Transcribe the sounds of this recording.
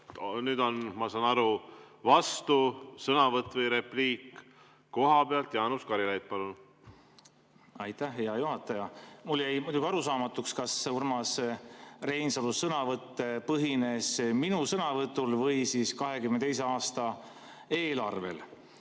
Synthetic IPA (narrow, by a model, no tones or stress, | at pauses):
nyːd̪̥onmɑsɑːnɑɾu | vɑst̪usɤnɑvɤt̪ːˑvɤjɾepliːk | ko̞ɦɑbeɑlt̪jɑːnuskɑɾilejt̪̚pɑlun | ɑjt̪æhɦejɑjuɦɑt̪ːˑɑjɑmulːejmujd̪uɡiɑɾusɑːmɑt̪ːˑukskɑsurmɑs | re̞jnsolusːɤnɑvɤt̪ːe̞pɤɦine̞sminusɤnɑvɤt̪ːˑulvɤjsiskɑɦe̞kymnet̪ejse̞ɑːst̪ɑ | eːlɑrve̞̰l